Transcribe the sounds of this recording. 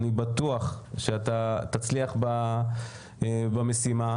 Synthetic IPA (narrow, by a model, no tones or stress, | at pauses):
nibat̪uaχʃeat̪at̪at͡sliaχba | bamesima